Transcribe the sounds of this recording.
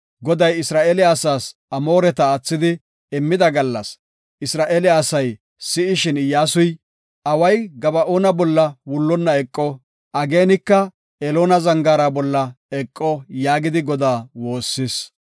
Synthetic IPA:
ɡɔd̪ɐjɪsɾaːʔeːlɪaːsaːs | ɐmo̞ːɾɛt̪ɐːt͡sːɪd̪ɪ | ɪmːɪd̪ɐɡɐlːɐ̰s | ɪsɾaːʔeːlɪaːsɐj | sɪɪʃɪnɪjaːsʊj | ɐwɐjɡɐbɐʔoːnɐbɔlːɐwʊlːɔnːɐɛkʼːɔ | ʔɐɡeːnɪkːɐ | ɛloːnɐzɐŋɡaːɾabɔlːɐ | ɛkʼːɔjaːɡɪd̪ɪɡɔd̪aːwo̞ːsːɪs

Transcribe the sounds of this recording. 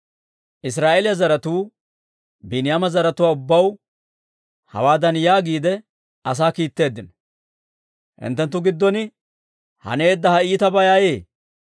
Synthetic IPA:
ʔɪs̬ɾaːʔelɪjɐzɐɾɐt̪uː | bɪnɪjaːmɐzɐɾɐt̪ʊwaːʊbːɐw | hɐ̰waːd̪ɐnjaːɡiːd̪ɛ | ɐs̬aːkiːt̪ːe̞ːd̪ːɪnɔ | hɪ̰nt̪ːɛnt̪ːʊɡɪd̪ːɔnɪ | hɐ̰neːd̪ːɐhɐiːt̪ɐbɐjaːjeː

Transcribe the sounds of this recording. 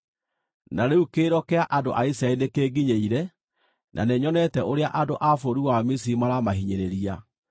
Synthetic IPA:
naɾeukeːɾɔkɛaʔando̰ʔaisɾaɛinekeːɡiɲeiɾɛ | nʔa̰neɲɔnɛtɛʔoɾeaʔadoʔafoɾiwamis̬iɾimaɾamaɦiɲeɾeɾia

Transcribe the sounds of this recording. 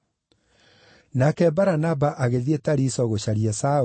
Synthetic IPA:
nakɛbaɾanabaʔaɣeðietaɾisɔɣoɕaɾiasa

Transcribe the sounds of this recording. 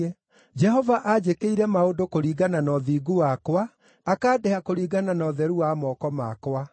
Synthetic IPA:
ɛ | d͡ʒɛhɔvaʔad͡ʑekeiɾɛmaodokoɾiːɡananɔðiːɡuwakwaː | kaːdɛhakoɾiːɡananɔðɛɾuwamɔːkɔma̰kwa

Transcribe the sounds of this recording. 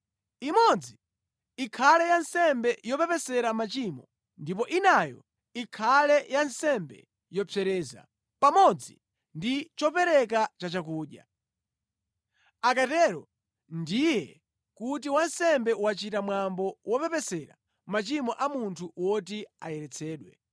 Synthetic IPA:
imɔd͡zi | ikʰalɛjansɛmbɛjɔpɛpɛsɛɾamat͡ʃimɔ | ndip̬ɔʔinajɔ̰ | ikʰalɛjansɛmbɛ̰ | jɔpʰɛɾɛːza̰ | pamɔd͡zḭ | ndit͡ʃɔpɛɾɛk̬at͡ʃat͡ʃak̬uːɗja̰ | ak̬atɛɾɔ | ndijɛ | kut̬iwansɛmbɛwat͡ʃitamwambɔwɔpɛpɛsɛɾa̰ | mat͡ʃimɔʔamuntʰuwɔt̬ia̰jɛɾɛt͡sʰɛːɗwɛ̰

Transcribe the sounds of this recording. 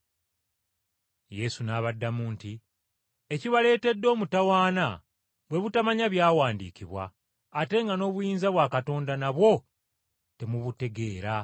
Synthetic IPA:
je̞sunaːβadːamuːnti | eciβale̞ːte̞dːo̞ːmutawaːna̰ | βwe̞βutamaɲaβjaːwaːndḭːciβwa̰ː | te̞ŋɡano̞ːβujiːnzaβwakato̞ːndanaβwo̞ | te̞muβute̞ɡe̞ːɾa

